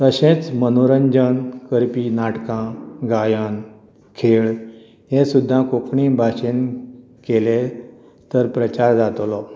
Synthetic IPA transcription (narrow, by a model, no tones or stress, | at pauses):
t̪əɕẽt͡smənoɾəɲd͡ʑənkəɾpiːnaʈkãɡajən | kʰeɭ | ɦẽsud̪ʱːãkokɳibʱaɕen | kele | t̪əɾpɾət͡ɕaɾd͡zat̪lɔ